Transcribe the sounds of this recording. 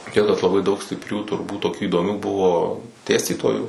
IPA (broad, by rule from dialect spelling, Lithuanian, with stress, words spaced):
ˈtʲiɛk kɐt lˠɐˈbɐɪ dɐʊk sʲtʲɪpʲˈrʲuː tʊrˈbuːt toːˈkʲuː iːdoːˈmʲuː ˈbʊʋoː ˈdʲeːsʲtʲiːtoːjuː